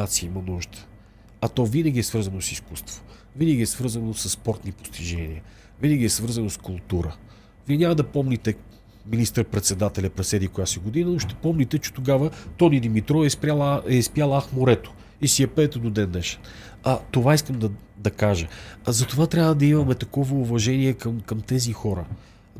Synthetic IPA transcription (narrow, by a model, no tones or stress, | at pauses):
at̪siimɐnuʒd̪ə̥ | ɐt̪ɔvinəɡʲiɛsvɤɾzɐnosiskust̪v̥o̥ | vinəɡʲiɛsvɤɾzənosəsːpɔɾt̪nipo̥st̪iʒɛniə | vinəɡʲiɛsvɤɾzənoskʊlˠt̪uɾə | viɛnʲamɐd̪ɐpɔmnit̪ɛ | minist̪əɾpɾɛt̪sɛd̪at̪ɛlʲɐpɾɛsɛd̪ikojasɛɡod̪inənoʃt̪ɛ̥pɔmnʲit̪ɛt͡ʃɛ̥t̪oɡavət̪ɔnid̪imit̪ɾɔɛspɾʲalˠɛspjalˠaxmoɾɛt̪o̥ | isiɛpɛːt̪ɛd̪od̪ɛnːɛʃɛ̥n | ɐt̪ovaiskəmd̪ɐ | d̪ɐkaʒəzɐt̪ovat̪ɾʲabvəd̪ɐimɐmɛt̪ɐkɔvəuvɐʒɛniɛkɐmkɐmt̪ɛzixɔɾə